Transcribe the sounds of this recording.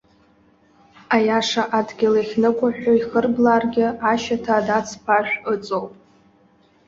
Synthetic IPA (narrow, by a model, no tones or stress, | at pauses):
ajaʂaʔadɡʲɪlaχʲnɨkʷʼaħᶣʷoiχərblaːrɡʲɪaʃatʰadat͡sʰpʰaʒᶣʷət͡sʼowpʼ